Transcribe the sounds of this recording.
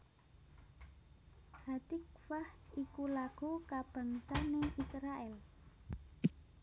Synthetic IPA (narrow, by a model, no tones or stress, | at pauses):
had̪̥ik̚fahikulaɡ̥ukab̥a̤ŋsaneʔisɾaʔɛl